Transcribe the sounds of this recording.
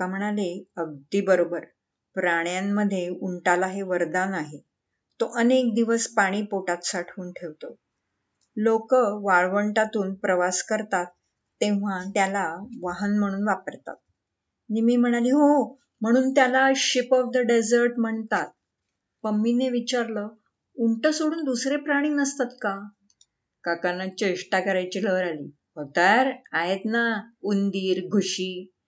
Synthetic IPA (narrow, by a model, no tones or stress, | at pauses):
kam̤əɽ̃aleəb̚d̪iːbəɾobəɾ | pɾaɽ̃jamːəd̪ʱːjeuɳʈalaɦeʋəɾd̪anaɦe | t̪oʔənekd̪iʋəspaɽ̃iːpoʈat̪saʈʰuːnʈʰeʋt̪o | lokəʋaɭʋəɳʈat̪uːnpɾəʋaskəɾt̪at̪ː | ẽʋ̤at̪jalaʋaɦənm̤əɽ̃uːnʋapəɾt̪a̰t̪̚ | animiːm̤əɽ̃aliːɦo | m̤əɽ̃uːnt̪jalaɕipɔfd̪əɖed͡zəɾʈm̤əɳt̪at̪̚ | pəmːineʋit͡ɕaɾlə | uɳʈəsoɽuːnd̪usɾepɾaɽ̃iŋnəst̪at̪ka | kakanət͡ɕeʂʈakəɾajt͡ɕiləɾalḭː | ɦot̪ajɾaɦet̪naund̪iːɾɡʱuɕiː